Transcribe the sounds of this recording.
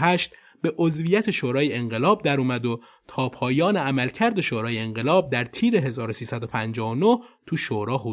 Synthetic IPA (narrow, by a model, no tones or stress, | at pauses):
ɦæʃt̪ | be̞ʔozvijæt̪ʰe̞ʃoːɾɒːjeeŋɢe̞lɒːb̚d̪æɾuːmæd̪o | t̪ʰɒːpʰɒːjɒːneæmælcʰæɾd̪e̞ʃoːɾɒːjeːŋɢe̞lɒːb̚d̪æɾt̪ʰiːɾe̞ɦe̞zɒːɾo̞siːsæd̪o̞pʰænd͡ʒɒːonot̪ʰuʃoːɾɒːɦu